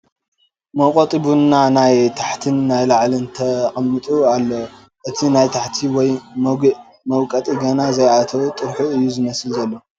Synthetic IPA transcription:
mɐwqʼot̪ʼibunːanajt̪ʰḁħt̪ʰɨnːajlaʕlɨnt̪ʰɐχʼɐmːɨt̪ʼualːo | ʔɨt̪ʰinajt̪ʰaħt̪ʰiwɔj | mɐwkʼɐt̪ʼiɡɐnazɐjʔat̪ʰɐwut̪ʼɨɾħuɨjːuzɨmɐsɨlzɐlːo

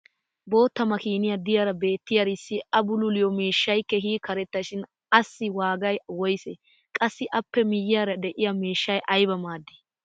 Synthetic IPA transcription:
bo̞ːt̪ːɐmɐkiːnɪjɐd̪ɪjaːɾɐbe̞ːt̪ːɪjɐɾɪsːɪɐbʊlʊlɪjɔmiːʃːɐjkːɛɦiːkːɐɾɛt̪ːɐʃɪn | ɐsːɪwaːɡɐjwɔjsɛ | kʼɐsːɪʔɐpːɛmɪjːɪjaːɾɐd̪ɛʔɪjɐmiːʃːɐjʔɐjbɐmaːd̪ːɪ̥

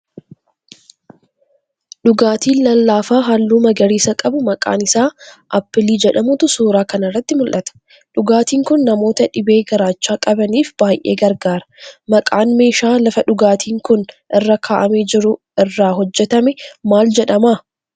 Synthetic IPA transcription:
ɗʊɡaːt̪iːnlɐlːaːfaːɦɐlːuːmɐɡɐɾiːsɐkʼɐbʊmɐkʼa̰ːnɪsaːʔɐpːɪliːd͡ʒɛᶑɐmʊt̪ʊsuːɾaːkɐnɪrːɐt̪ːɪmʊlʔɐt̪ɐ̥ | ᶑʊɡaːt̪iːŋkʊnːɐmo̞ːt̪ɐᶑɪbe̞ːɡɐɾaːt͡ʃːaːkʼɐbɐniːfb̥aːjʔḛːɡɐɾɡaːɾɐ̥mɐkʼaːnme̞ːʃaːlɐfɐᶑʊɡaːt̪ʰiːŋkʊnʔɪrːɐkʰaːʔɐmeːd͡ʒɪɾʊ | ɪrːaːɦɔd͡ʒːɛt̪ɐmɛmaːld͡ʒɛᶑɐmaː

